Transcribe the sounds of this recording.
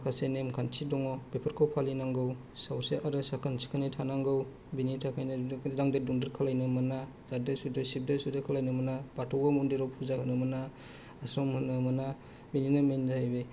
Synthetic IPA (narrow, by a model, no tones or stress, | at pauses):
kʰasenemkʰantʰidɔŋɔbepʰɯɾkʰɔwpʰalinaŋɡɯw | sawseʔaɾɯsakʰansʰi̥kʰanitʰanaŋɡɯw | binitʰakʰajnɯdaŋdaduŋdɯɾkʰalajnɯmana | zadɯsudɯsip̚dɯsudɯkʰalajnɯmanabatʰɔwɡɔmɔndeɾɔwpʰuzahɯnɯmanaː | sɔmhɯnːɯmana | bininamenzaajbe